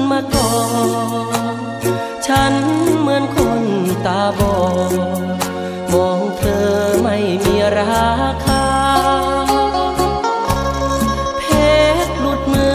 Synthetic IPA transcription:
nmaː˧kɔː˧˩ | t͡ɕʰa˦˥nmɯ˧ənkʰo˧nt̪aː˨˧˩bɔː˧˩ | mɔː˨˧ŋt̪ʰɤː˧ma˥˩jmiː˧˥ɾaː˧˦kʰaː˧ | pʰeː˧t̪̚lu˧t̪̚mɯː˧

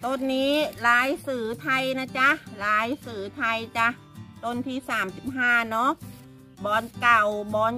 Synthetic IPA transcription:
t̪o˧nːiː˦˥laː˨˦˥jsɯː˨˩˦t̪ʰa˧jna˧˥t͡ɕa˧˥ʔlaː˨˦˥jsɯː˨˩˦t̪ʰa˧jt͡ɕa˧˥ʔ | t̪o˧˥˨nt̪ʰiː˧˩saː˨˩˦msi˧˦p̚ɦãː˧˩˨nɔ˧˥ʔ | bɔː˧nka˨˩wbɔː˧˦n

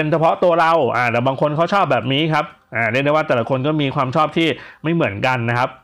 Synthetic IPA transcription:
e˧nt͡ɕʰa˧pʰɔ˦˥t̪u˧ɐɾa˧wʔaː˧˩t̪ɛː˨˩baː˧ŋkʰo˧nkʰa˦˥wt͡ɕʰɔː˥˩p̚bɛː˨˩p̚niː˦˥kʰa˦˥p̚ | ʔaː˨˩ɾɯ˥˩˨da˥˩waː˥˩t̪ɛː˨˩la˦kʰo˧nkɔː˥˩miː˧kʰwaː˧mt͡ɕʰɔː˥˩p̚t̪ʰiː˥˩ma˥˩jmɯ˩˦ənka˧nːa˦˥kʰa˦˥p̚

